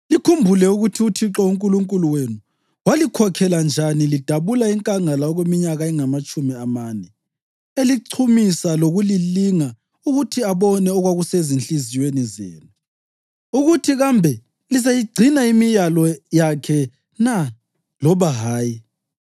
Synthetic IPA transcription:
likʰumbʱulɛuɣutʰiutʰiǁauŋkʼuluŋkʼuluwenu | walikʰɔkʰɛland͡ʒʱanilid̥ʱaβulaiŋkʼaŋalaɔɣwemiɲaɣaɛŋamat͡ʃʼumiamanɛ | eliǀʰumisaloɣuliliŋa | uɣutʰiaβɔnɛɔɣwaɣusezint͡ɬʼizijwenizḛːnu | uɣutʰiɣambʱɛ | lizajiɡ͡ǀʱinaimijalɔjakʰɛ | na | lɔβaɦaːji

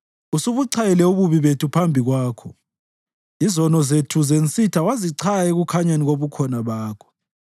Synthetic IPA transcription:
usuβuǀʰajɛlɛuβuβiβetʰupʰambʱiɣwaːkʰɔ | izɔnɔzetʰuzent͡sʼitʰawaziǀʰajeɣukʰaɲaniɣoβukʰɔnaβaːkʰɔ̥

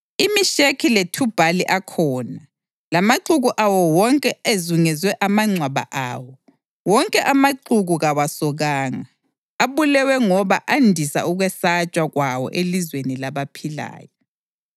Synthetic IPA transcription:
imiʃekʰiletʰub̥ʱaliʔakʰɔːna | lamaǃuɣuʔawɔwɔŋkʼɛezuŋɛzwɛʔamaŋ͡ǀʱwaβa̰ʔaːwɔ | wɔŋkʼɛʔamaǃuɣuɣawasɔɣaːŋa̰ː | βulɛwɛŋɔβaʔandʱisa̰uɣwɛsat͡ʃʼwaɣwawɔ̰ʔelizwenilaβapʰila̰ːjɔ

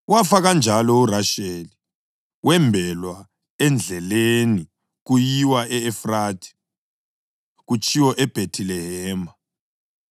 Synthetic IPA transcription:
wafaɣand͡ʒʱalɔuraʃeli | wɛmbʱɛlwa | ɛnd͡ɮʱɛleni | ɣujiwaʔɛːfraːtʰi̥ | ɣut͡ʃʼʰiwɔʔɛb̥ʱetʰilɛɦɛːma

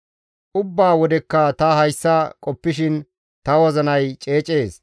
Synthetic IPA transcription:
ʔʊbːaːwɔd̪ɛkːɐt̪ɐɦɐjsːɐkʼɔpːɪʃɪn | t̪ɐwɔzɐnɐjt͡ʃʼe̞ːt͡ʃʼe̞ːs

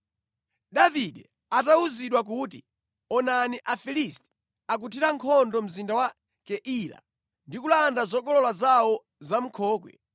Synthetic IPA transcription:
ɗaviɗɛ | atauziɗwak̬uːtḭ | ɔnaniʔafilistɛ̥ | ak̬utʰiɾaŋkʰɔndɔm̩zindawa | kɛʔila̰ | ndikulandazɔɡɔlɔlazawɔ | zam̩kʰɔːkwɛ̰

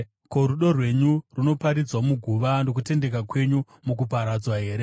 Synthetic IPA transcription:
ko̞ɾuɗo̞rwe̞ɲuruno̞paɾid͡zwamuɡʱuʋano̞k̬ute̞nde̞kakwe̞ɲu | muk̬upaɾad͡zwaɦe̞ːɾe

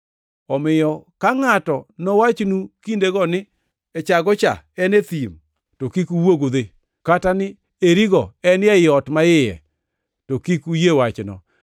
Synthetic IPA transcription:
ɔmɪjɔkaŋatɔnɔwat͡ʃnukindeɡɔnɪ | ɛt͡ʃaɡɔt͡ʃa̰ɛnet̪im | tokikuwoɡod̪e | katanɪ | eɾiɡɔɛnɪɛɪɔtmaɪjɛ̰ | tokikujewat͡ʃnɔ̰

